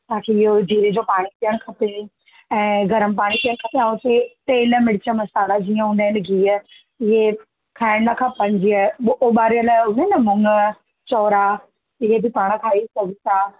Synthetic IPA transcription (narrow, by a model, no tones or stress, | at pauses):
t̪ɐãːkʰeɪɦoɖ̪ʱiːɾed͡ʑopaːɽ̃ipijəɽ̃kʰɐpe | ɛ̃ːɡʱɐɾəmpaːɽ̃ipijəɽ̃kʰɐpeãːʊt̪et̪eːlmɪɽɪt͡ɕəmɐsaːlad͡ʑiːə̃ɦũːnd̪aɦɪnɪɡʱiːə | ɪɦe | kʰaːɪɽ̃nɐkʰãpɐ̃ɲd͡ʑioːɓaːɾijəlɦʊ̃nenɐmʊŋə | t͡ɕɔːɾa | ɪɦebɪpaːɽ̃kʰaːisɐɡʱɪt̪aː